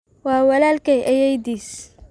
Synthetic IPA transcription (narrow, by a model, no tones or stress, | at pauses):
wɑːwɐlaːlkɛjʔɐjɛjd̪iːs